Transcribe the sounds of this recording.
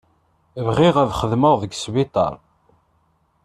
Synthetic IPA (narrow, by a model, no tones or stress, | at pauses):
vʁɪʁæðχəðməʁðəɡsβit̪ˤɑ̰ɾˤ